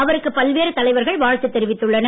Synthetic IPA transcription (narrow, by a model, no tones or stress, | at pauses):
ɐʋɐɾɯkːɯpɐlʋeːɾɐt̪ːɐlɐɪʋɐɾɣɐɭʋaːɻt̪ɯt̪ːɛɾɪʋɪt̪ːɯɭːɐnɐ